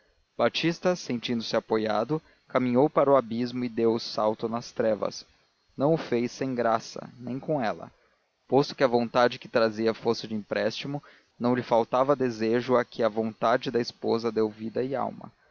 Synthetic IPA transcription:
b̥at͡ʃist̪ɐsẽt͡ʃĩnd̪ʊ̥sɪapojad̪ʊ | kamĩɲowpaɾʊabizmʊɪd̪ewʊsawt̪ʊnɐst̪ɾɛvɐ̰s | nɐ̃w̃ʊfejsẽj̃ɡɾasɐ̰nẽj̃kõɛlɐ̰ | post̪ʊ̥kɪɐvõnt̪ad͡ʒɪkɪt̪ɾaziɐfosɪd͡ʒɪĩpɾɛst͡ʃimʊ | nɐ̃w̃lɪfawt̪avɐd̪ezeʒʊakʰɪɐvõnt̪ad͡ʒɪd̪ɐɪspozɐd̪ewvid̪ɐɪa̰wmɐ̰

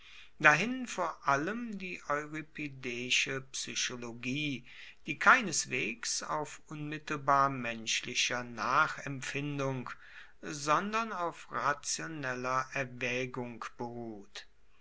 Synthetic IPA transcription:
d̥aɦɪnfoːɐʔaləmdiːʔɔʏʁipʰedɛːʃəpsyʃoloɡiː | d̥iːkʰaɪnəsv̥eːksa̰ʊfʔʊnmɪtl̩baːɐmɛnʃlɪʃɐnaːχɛmfɪndʊŋk | zɔndɐnaʊfʁat͡sjonɛlɐʔɛɐvɛːɡʊŋkb̥əʁuːt

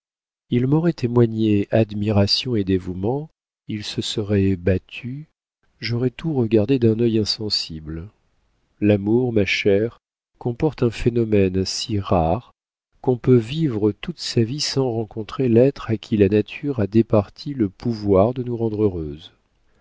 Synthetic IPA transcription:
ilmɔʁɛt̪ʰemwaɲead̪miʁasjɔ̃ed̪evumɑ̃ | ilsəsəʁɛbat̪ʰy | ʒɔʁɛt̪uʁəɡaʁd̪ed̪ɛ̃nœjɛ̃sɑ̃sibl | lamuʁmaʃɛʁ | kɔ̃pɔʁt̪ɛ̃fenɔmɛnsiʁaʁ | kɔ̃pøvivʁət̪ut̪savisɑ̃ʁɑ̃kɔ̃t̪χelɛt̪χakʲʰilanat̪ʰyʁad̪epaʁt̪ʰiləpʰuvwaʁd̪ənuʁɑ̃d̪ʁøʁøz

